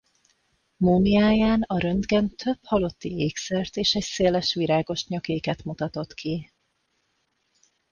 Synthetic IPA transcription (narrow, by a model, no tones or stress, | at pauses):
muːmiaːjaːnɒɾønd̪ɡɛnt̪ʰø̞phɒlo̞t̪ːieːksɛrt̪eːʃɛcseːlɛʃʋiɾaːɡo̞ʃɲɒkeːkɛt̪mut̪ɒt̪o̞t̪kʰi